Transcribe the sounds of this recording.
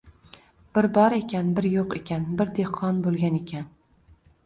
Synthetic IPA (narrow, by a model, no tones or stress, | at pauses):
b̥ɪɾbɒɾe̞kʲʰanbɪɾjoqekʲʰanbɪɾd̪ehqʰɒnbolˠɡʲane̞kʲʰan